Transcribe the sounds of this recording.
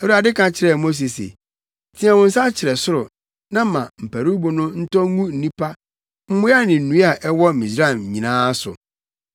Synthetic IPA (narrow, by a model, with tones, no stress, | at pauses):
ɛ˨u˨a˨dɪ˦kã˨t͡ɕʰɪ˨ɾɛ˨mo˦s̬i˨sḛ˨ | tʰĩ˦ã˨wʊ̃˨˦n̩˦sa˦t͡ɕʰɪ˨ɾɛ˨sʊ˦ɾʊ˨ | nã˦mã˨m̩˨pʰæ˨ɾu˦bo˨nʊ̃˦n̩˦tɔ̃˦ŋũ˦n̩˨nĩ˦pʰa˦ | m̩˦mʊ̃˦a˦nɪ̃˨nũ˦a˨ʔɛ˦wɔ˦˨mĩ˨sɾa˦˨m˨ɲĩ˨nãː˦sʊ̰˨